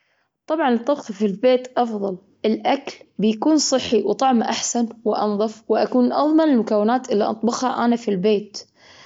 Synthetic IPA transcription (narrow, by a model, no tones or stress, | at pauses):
t̪ˤɑbʕɑnɨt̪ˤːɑbqfilbeːt̪ʔɑfðˤɑl | ɪlʔaklbɪjakuːnsˤɨħːiwt̪ˤɑʕmʔaħsanwɪʔɑ̰nðˤɑfwɪʔakuːnʔɑðˤmɑnɪlmʊkawːɪnaːt̪ʔɪlːiʔɑ̰t̪ˤbɑxhaʔanafilbeːt̪